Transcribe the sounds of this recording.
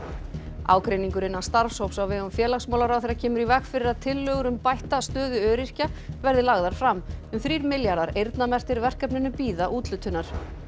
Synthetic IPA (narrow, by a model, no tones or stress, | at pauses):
a̰ːwkɾejniŋkʏɾɪnːast̪aɾ̥fshowpsawvɛːɣʏmfjɛːlaxsmaːwlaɾawθejɾacʰɛːmʏɾivɛkfɪɾɪɾaðt̪ʰɪlːœɣʏɾʏmpajht̪ast̪œːðʏœːɾir̥cavɛɾðɪlaɣðaɾ̥fɾamːʏmθɾiːɾmɪljaɾðaɾejɾt̪namɛr̥t̪ɪɾvɛr̥kɛpnɪnʏpiːðaʔuːt̪lʏt̪ʰːʏnːaɾ̥